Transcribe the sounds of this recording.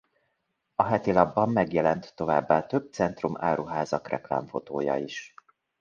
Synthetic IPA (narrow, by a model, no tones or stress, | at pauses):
ɒɦɛt̪ilɒbːɒmːɛɡjɛlɛnt̪ːo̞vaːbːaːt̪ø̞b̚t̪sɛnt̪rumaːɾuɦaːzɒkrɛ̰kla̰ːɱfo̞̰t̪oːjɒ̰iʃ